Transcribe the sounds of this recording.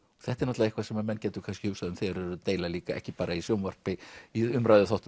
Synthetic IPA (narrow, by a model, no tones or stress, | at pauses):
ɔɣθɛht̪ɛɾnat̪aɪhkvasɛmamɛnːcɛːt̪ʏkʰanscɪhʏsaðʏmθɛɾɛɾʏt̪eːjlaliːkaɛ̰hcɪpaːɾʔaisjowmvar̥pɪiʏmɾajðʏθɔht̪